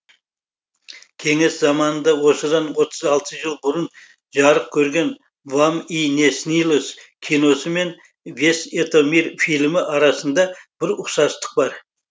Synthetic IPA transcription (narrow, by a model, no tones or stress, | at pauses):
kʲʰe̞ŋe̞szɑmɑnənd̪ɑwo̞səd̪ɑnwo̞t̪ʰəzɑlˠt̪ʰəʒəlˠbʊɾən | ʒɑɾəq̚kʲʰɵɾɡʲe̞n | vamine̞snilˠoskʲʰijno̞səme̞n | ve̞set̪omiɾfilʲmɪʔɑɾɑsənd̪ɑb̥ɪɾʊqsɑst̪ə̥q̚bɑɾ